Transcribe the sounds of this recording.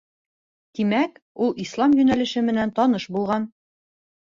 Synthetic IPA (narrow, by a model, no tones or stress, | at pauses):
t̪imækulˠislˠɑmjʉnælɘ̆ʃɘmɘ̆nænt̪ɒn̪ɤʃbulˠʁɑn